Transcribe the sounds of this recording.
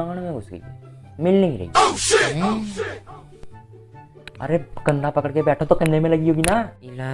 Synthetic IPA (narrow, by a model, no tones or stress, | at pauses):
ãŋɡanẽmɛ̃ɡʊsɡḛḭḛ | mɪlnɪ̃ɡiɾɐ̰ḭ | ɐ̰ɾekɐ̃ɳɖapɐkəɽkebɛːʈʰõt̪okɐnnemẽlɐɡiɦoːɡina